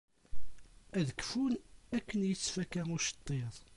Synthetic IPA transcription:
æðəkfunækːənjət͡sːfækːæŋʊʃə̥t̪ˤːeðˤ

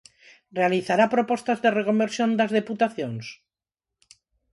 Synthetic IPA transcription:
realiθaɾapɾopost̪azðerekombeɾsjond̪azðeput̪aθjons

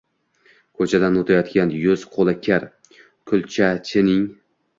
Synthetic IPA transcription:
kʰɵt͡ʃʰad̪anot̪ʰajɒt̪kʲanjʊz̥qʰolˠakʲʰaɾ | kʲʰʊlˠt͡ʃʰat͡ʃʰɪnɪŋ

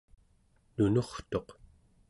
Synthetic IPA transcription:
nunoχt̪o̞q

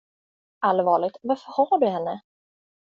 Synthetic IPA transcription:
ʔalvɑːɭɪɡ̚t̪vaɾfœɾhɑːɖɵhɛnːə

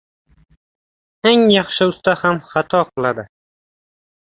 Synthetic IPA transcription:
eŋjɑχʃɪʊst̪ahamχat̪ʰɒqlˠad̪ɪ

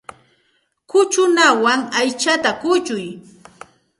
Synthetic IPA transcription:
kʊt͡ʃʊnawaŋajt͡ʃat̪akʊt͡ʃʊj

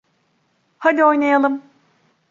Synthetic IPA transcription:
had̪io̞jnajalˠɯm

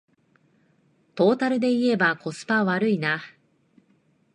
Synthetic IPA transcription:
t̪o̞ːt̪aɾɯ̟d̪e̞ie̞bako̞sɨ̥paβaɾɯ̟ina

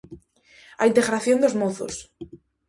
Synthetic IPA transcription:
a̰int̪eɣɾaθjond̪ozmoθo̰s

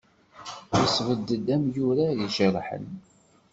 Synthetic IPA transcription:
əsvəd̪ːəd̪æmjuɾajiʃəɾħə̰n

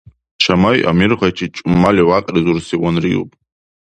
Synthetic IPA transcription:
t͡ʃʰamajʔa̰mirʁat͡ʃʰit͡ʃʼʊmːaliwaqʼrɨzursiwanriṵpʼ

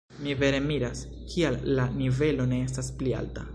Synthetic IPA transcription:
mive̞ɾe̞miɾas | kʰialːanive̞lo̞ne̞es̬tasplia̰lta̰

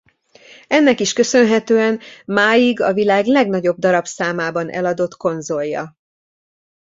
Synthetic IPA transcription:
ɛnːɛkiʃkø̞sø̞nɦɛt̪øːɛnmaːjiɡɒvilaːɡlɛɡn̪ɒɟo̞b̚d̪ɒɾɒbsaːmaːbɒnʔɛ̰lɒd̪o̞t̪ko̞nzo̞ljːɒ̰

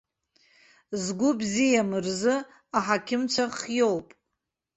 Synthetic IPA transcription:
zɡʷʊbzijamɨrzɨ | aħakʲʰɪmt͡sʷʰaχjo̞wpʼ

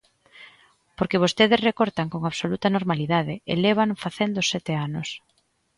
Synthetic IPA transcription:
poɾkeβ̞ost̪eðɪzrekoɾt̪aŋkoŋaβsolut̪ɐnoɾmaliðaðɪḛleβ̞aŋfaθend̪oʊsɛt̪eanʊs

